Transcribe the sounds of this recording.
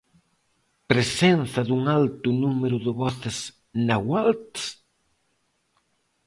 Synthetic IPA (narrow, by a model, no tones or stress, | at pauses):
pɾesenθɐðuŋalt̪ʊnumeɾʊðɪβɔθɪs | nawalt̪